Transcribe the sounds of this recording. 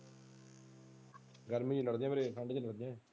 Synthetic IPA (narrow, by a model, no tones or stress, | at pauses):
ɡəɾmĩd͡ʒiːləɽd̪ɪjãːmeːɾeʈʰaɳɖd͡ʒiːləɽd̪ɪjãː